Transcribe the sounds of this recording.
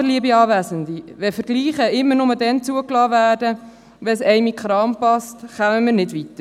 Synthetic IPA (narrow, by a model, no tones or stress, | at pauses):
əliəbiɑːvæsəndiʋɛfəɾɡ̥liːχəɪmːənʊmədɛnt͡suəklɑːvæːrdə | ʋɛsɛɪmikχɾɑːmpɑstχœməmiːɾnɪdvitə